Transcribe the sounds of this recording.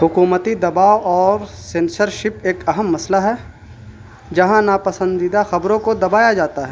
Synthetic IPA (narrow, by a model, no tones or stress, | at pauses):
ɦʊkuːmət̪id̪ɐbaːoʔɔːɾsẽːnsəɾʃɪpeːkɐɦəmːɐslaɦɛ | d͡ʒɐɦãnapɐsə̃nd̪id̪axɐbɾõkod̪ɐbaːjad͡ʒaːt̪aɦɛː